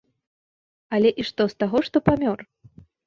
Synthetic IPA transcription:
ɐlʲɛʔiʂt̪ɔst̪aɣɔʂt̪ɔpamʲɔr

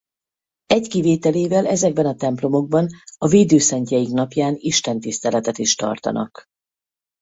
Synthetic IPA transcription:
ɛɟkiveːt̪ɛleːvɛlɛzɛɡ̚bɛnɒt̪ɛmplo̞mo̞ɡ̚bɒnɒveːd̪øːsɛɲcɛjiknɒpjaːniʃt̪ɛnt̪ist̪ɛlɛt̪ɛt̪iʃt̪ɒ̰rt̪ɒ̰nʔɒ̰k

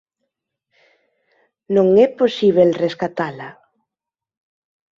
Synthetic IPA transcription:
nõŋɛposiβ̞elreskat̪ala

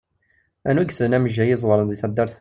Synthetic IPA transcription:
ænwæɡsənæməʒːæjɪzˤwəɾˤənðiθæd̪ːæɾˤθ

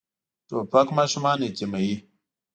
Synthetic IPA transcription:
toɸakmaʃumanet͡ʃemaji

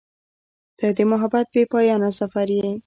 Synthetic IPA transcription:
d̪̥əd̪əmʊɦabat̪̚bepɑjɑnasafaɾje

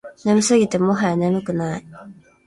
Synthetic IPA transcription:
namisɨɡʲit̪emoɦanamɯkɯnaj

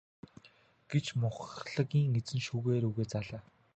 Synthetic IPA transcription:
ɡ̥et͡ɕmʊχɮə̆ɣʲiːŋet͡sɘ̆nʃuːɣeːɾuɣeːt͡saːɮaː

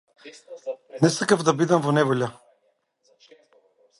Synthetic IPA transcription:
nɛsakavd̪abid̪amvɔnɛvɔʎʲa

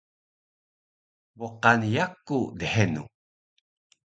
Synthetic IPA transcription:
boqanjakːudəhenṵ

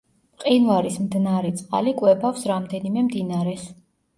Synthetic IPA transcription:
qʼinvaɾismd̪naɾɛt̪sʼqʼa̰likʼwɛbafsɾamd̪ɛnimɛmd̪inaɾɛs

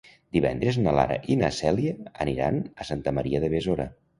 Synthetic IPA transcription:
d̪iβɛ̰nd̪ɾəznəla̰ɾə̰ʔinəsɛliəəniɾa̰nəsant̪əməɾiəðəβezoɾə

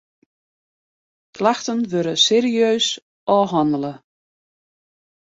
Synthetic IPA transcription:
klaxtənʋøɾəseːɾiøːs | ʔɔːɦɔndələ

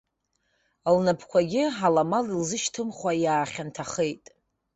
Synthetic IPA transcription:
lnapʰkʷʰaɡʲɪħalamalilzɨʃtʰɨmχwajaːχʲantʰaχejtʼ

